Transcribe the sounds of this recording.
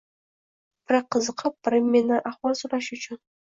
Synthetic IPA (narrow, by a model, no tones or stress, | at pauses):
b̥ɪɾɑqːəzəqʰəp̚b̥ɪɾɪmːenɪʔɑχwɑlˠsuɾɑʃʊt͡ʃʰɪn